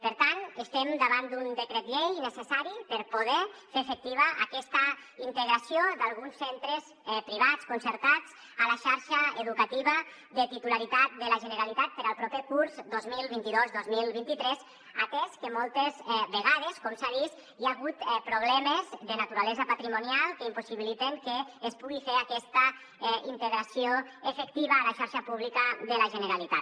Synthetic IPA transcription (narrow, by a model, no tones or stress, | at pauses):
pəɾt̪anəst̪emd̪aβand̪und̪əkɾɛt̪ʎejnəsesaɾipəɾpuð̞ɛfefek̚t̪iβəʔa̰kɛst̪əint̪əɣɾasiod̪alˠɣunsːent̪ɾes | pɾiβ̞at͡skunsəɾt̪at͡s | əlaʃaɾʃəeðukat̪iβə | d̪ət̪it̪ulaɾit̪at̪̚d̪əlaʒənəɾalit̪at̪̚pəɾəlˠpɾɔpekuɾzd̪ozmilˠβint̪iðozðozmilˠβint̪it̪ɾɛz | at̪ɛskəmɔlˠt̪ezβeɣað̞eskɔmsaðis | iaɣut̪pɾuβ̞lɛmezðənat̪uɾalɛzəpat̪ɾimunialˠkəimpusiβilit̪eŋkeːspuɣifeɾakɛst̪ə | int̪eɣɾasioefekt̪iβəːlaʃaɾʃapuβlikəðəlaʒənəɾalit̪at